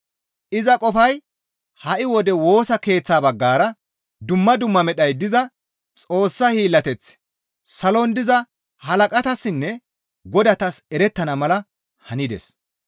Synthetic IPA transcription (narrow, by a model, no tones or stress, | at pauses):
ʔɪzɐkʼɔfɐj | hɐʔɪwɔd̪ɛwo̞ːsɐke̞ːt͡sːaːbɐɡːaːɾɐ | d̪ʊmːɐd̪ʊmːɐmɛɗɐjd̪ɪzɐ | t͡sʼo̞ːsːɐhiːlːɐt̪ɛt͡sː | sɐlond̪ɪzɐ | hɐlɐkʼɐt̪ɐsːɪnːɛ | ɡɔd̪ɐt̪ɐsɛɾɛt̪ːɐnɐmɐlɐ | hɐnɪd̪ɛ̰s